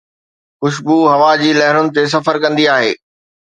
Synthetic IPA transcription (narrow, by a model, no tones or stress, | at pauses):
xʊʃbuɦɐʋad͡ʑiːlɛɦɪnʊnɪ̆t̪es̬ɐfəɾkɐ̃nd̪iaːɦḛː